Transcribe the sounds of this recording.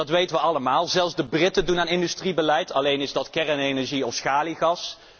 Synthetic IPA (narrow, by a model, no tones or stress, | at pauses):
dɑtʋejtəʋəɑləmaːlˠzɛlˠfzdəbrɪtədunaːnɪndystribəlɛjtɑlejnɪzdɑtkɛrənejnɛɹʒiɔfsχaːliɣɑs